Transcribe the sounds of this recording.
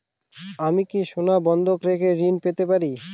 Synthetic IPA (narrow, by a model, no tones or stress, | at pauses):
amikiʃonabɔnd̪ʱokɾekʰeɾinpet̪epaɾi